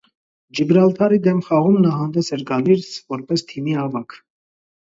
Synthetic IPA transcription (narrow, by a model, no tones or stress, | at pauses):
d͡ʒəbɾɑlt̪ʰɑɾid̪ɛmχɑʁumnɑɦɑnd̪ɛsɛɾɡɑliɾt͡sʰvɔɾpɛst̪ʰimiɑvɑkʰ